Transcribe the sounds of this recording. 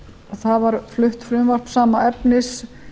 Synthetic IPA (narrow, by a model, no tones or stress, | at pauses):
θaðvaɾflʏht̪fɾʏmvar̥p̪saːmaɛpnɪs